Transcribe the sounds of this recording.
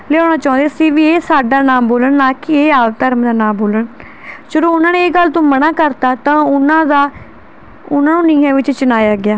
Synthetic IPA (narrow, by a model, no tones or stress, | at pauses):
leːoːnaːt͡ʃãːnd̪eːsĩːʋieːsaːɖaːnaːmboːləɳnːaːkɪeːaːʋt̪əɾmd̪aːnãːmboːləɳ | ʃʊɾoːʊnãːneːeːɡəlt̪õːmənaːkəɾt̪aːt̪ãːʊnãːd̪aː | ʊnãːnũːnĩːãːʋɪt͡ʃt͡ʃʊnaːjaːɡɪjaː